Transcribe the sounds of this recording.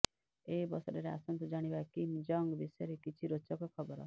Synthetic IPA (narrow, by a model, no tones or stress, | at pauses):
ebɔsɔɾeɾea̰sɔnt̪ɔd͡ʒaɽ̃ibakimd͡ʒɔŋɡbisɔjɔɾekit͡ʃʰiɾot͡ʃɔkɔkʰɔbɔɾɔ̰